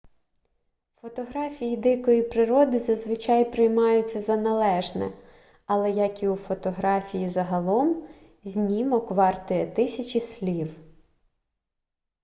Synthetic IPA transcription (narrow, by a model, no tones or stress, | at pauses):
fɔt̪ɔɦɾɑfʲijid̪ɪkɔjipɾɪɾɔd̪ɪzɐzʋɪt͡ʃɑjpɾɪjmɑjʊt͡sʲːɐzɐnɐlˠɛʒnɛ̰ | ɐlˠɛjɐkʲiufɔt̪ɔɦɾɑfʲijizɐɦɐlˠɔm | zʲnʲimɔkʋɑrt̪ʊjɛt̪ɪsʲɐt͡ʃʲisʲlʲiw